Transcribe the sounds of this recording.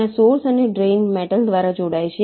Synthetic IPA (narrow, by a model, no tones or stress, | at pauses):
ãsoɾsəneɖɾenmɛʈəld̪ʋaɾad͡ʒoɽajt͡ʃʰe